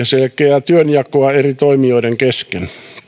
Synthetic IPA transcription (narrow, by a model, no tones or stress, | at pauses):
ɑselkˑeæt̪yønjɑkoɑerit̪oimioiɾeŋkesken